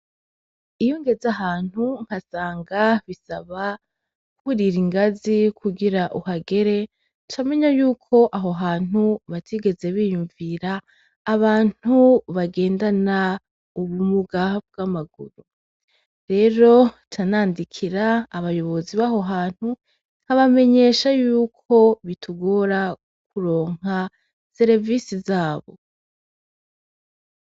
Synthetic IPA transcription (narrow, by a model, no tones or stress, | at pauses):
ijoŋɡe̞zaɦaːn̥huŋ̥hasaːŋɡaβisaβa | uɾiɾiŋɡazikʰuɡiɾaʔuhaɡe̞ɾe̞ | tame̞ɲajuːkʰo̞ʔaɦo̞ɦaːn̥uβatʰiɡe̞ze̞βijuɱviɾaː | βaːn̥uβaɡe̞ːndana | uβumuɡab̚ɡaːmaɡṵɾu | ɾe̞ːɾo̞tʰanaːndikʰiɾaːβajo̞βo̞ziβaːɦo̞ɦaːn̥hu | n̥haβame̞ɲe̞ʃajuːkʰo̞βitʰuɡo̞ɾa | k̚uɾo̞ːŋ̥a | se̞ɾeviːsizaːβo̞̰